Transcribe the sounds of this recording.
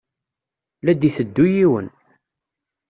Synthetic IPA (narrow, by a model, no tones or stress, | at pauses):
læd̪iθəd̪ːujiwən